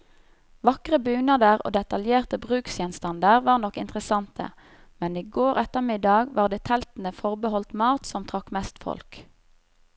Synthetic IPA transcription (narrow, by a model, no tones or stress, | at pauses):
ʋɑkʁəbʉːnɑd̪əʁo̰ːd̪ɛt̪ɑljeːʁt̪əbʁʉːksjɛnst̪ɑnd̪əʁʋɑːʁnɔkːɪnt̪ʁəsɑnt̪ʰə̰ | mɛniːɡoːʁɛt̪əʁmɪd̪ɑɡʋɑːʁd̪eːt̪ʰɛlt̪n̩əfɔʁbəhɔlt̪mɑːt̪sɔmt̪ʰʁɑkmɛst̪fɔ̰lk